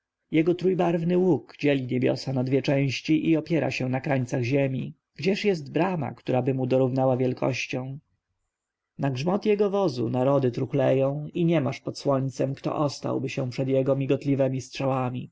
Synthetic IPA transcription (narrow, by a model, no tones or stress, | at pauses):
jɛɡɔt̪ɾujbaɾvnɘwukd͡ʑɛlʲiɲebʲjɔ̰sanad̪vʲjɛt͡ʂɛ̃w̃ɕt͡ɕiʔiɔpʲjɛɾa̰ɕɛ̃nakɾaɲt̪saɣʑemʲḭ | ɡd͡ʑɛʂjɛst̪bɾama̰kt̪uɾabɘmud̪ɔɾuvnawavʲjɛlkʰɔ̰ɕt͡ɕɔ̃w̃ | naɡʐmɔt̪jɛɡɔvɔzṵnaɾɔd̪ɘt̪ɾuxlɛjɔ̃w̃iɲɛmaʂpɔt̪swɔɲt̪sɛmkt̪ɔ̰ʔɔst̪a̰wbɘɕɛ̃pʂɛd̪jɛɡɔmʲiɡɔt̪lʲivɛmʲistʂawamʲi